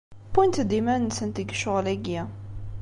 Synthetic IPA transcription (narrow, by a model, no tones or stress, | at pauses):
punt̪d̪imænːsənt̪əɡʃʊʁlæɡæ